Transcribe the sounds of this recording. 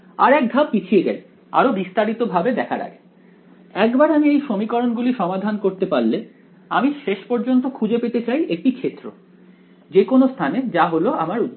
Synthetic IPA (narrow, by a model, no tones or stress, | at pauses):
a̰ɾɛk̚d̪ʱabpit͡ɕʰieɡɛle | a̰ɾobist̪aɾit̪obʱabed̪ɛkʰa̰ɾa̰ɡe | ɛkbaɾamiejʃomikɔɾonɡuliʃɔmad̪ʱankoɾt̪epaɾle | amiʃeʃpɔɾd͡ʑont̪okʰud͡ʑepet̪et͡ɕajʔek̚ʈikʰet̪ːɾo̰ | d͡ʑekonost̪ʰaned͡ʑaɦoloamaɾu